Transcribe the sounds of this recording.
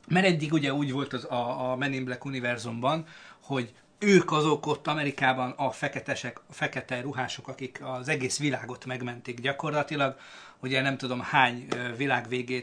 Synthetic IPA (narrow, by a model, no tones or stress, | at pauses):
mɛɾɛdːiɡuɟɛuːɟʋo̞lt̪ɒzɒmɛnimblɛkunivɛrzumbɒnho̞ɟ | øːkɒzo̞ko̞t̪ːɒmɛɾikaːbɒnɒfɛkɛt̪ɛʃɛkfɛkɛt̪ɛjruɦaːʃo̞kɒkikɒzɛɡeːsʋilaːɡo̞t̪mɛɡmɛnt̪iɡɟɒko̞rlɒt̪ilɒɡ | uɟɛnɛmt̪ud̪o̞mhaːɲvilaːɡʋeːɡeː